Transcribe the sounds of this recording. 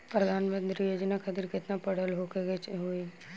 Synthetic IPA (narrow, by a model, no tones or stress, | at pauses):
pɾɐd̪ʱaːnmə̃nt̪ɾijoːd͡ʒnakʰat̪ɪɾkɪt̪napəɽ̤əlɦoːkeɡet͡ʃɦoi